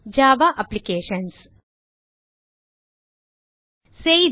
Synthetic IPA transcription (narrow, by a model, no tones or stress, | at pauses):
d͡ʒaːʋaːʔɐplikeːʃɐns | seːj